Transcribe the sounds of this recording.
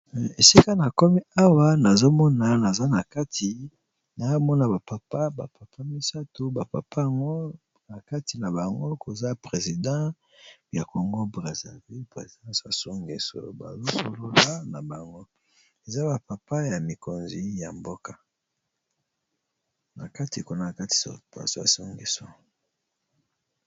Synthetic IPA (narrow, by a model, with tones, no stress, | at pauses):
e˨si˦ka˦na˨ko˦mi˦a˦wa˦na˨zo˦mɔ˦na˨na˨za˦na˨ka˦ti˨ | na˨o˦mɔ˦na˨ba˨pa˨pa˦ba˨pa˨pʰa˦mi˦sa˦to˦ba˨pa̰˨pʰa˦ja˨ŋɡo˦ | na˨ka˦ti˨na˨ba˨ŋɡo˦ko˨za˦˨pʁe˨zi˨dã˦ | ja˨ko˨ŋɡo˦bʁa˨za˨vi˦pḛ˨zi˨dã˦sja˨so˦ŋɡe˨so̰˨ba̰˨zo˦so˦lo˦la˦na˨ba˨ŋɡo˦ | e˨za˦ba˨pa˨pa˦ja˨mi˨ko˨nzi˦ja˨mbo˦ka˨ | na˨ka˦ti˨ko˨na˦˨a˨ka˦ti̥˨ba̰˨so˦ja̰˨so˦ŋɡi˨so˨